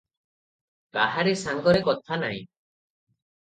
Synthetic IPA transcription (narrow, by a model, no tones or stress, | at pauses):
kaɦaɾesaŋɡɔɾekɔt̪ʰanaɦḭ̃